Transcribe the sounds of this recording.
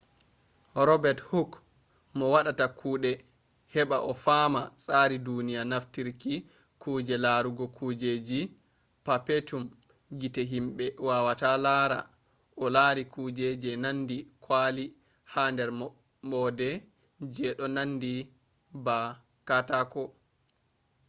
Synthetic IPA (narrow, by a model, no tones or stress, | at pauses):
ɾɔbɛthuk | mɔwaɗatakʰuːɗɛ | hɛɓaʔɔfamasʼaːɾidunijanaftiɾki | kud͡ʒɛlaɾuɡɔkʰuːd͡ʒed͡ʒi | papetum | ɡitɛɦimɓɛwawatalaɾa̰ | ʔɔlaɾikud͡ʒed͡ʒɛnandikʰwaːli | haːndɛɾ | mɔdɛ | d͡ʒɛɗɔnanːdi | ba | katakɔ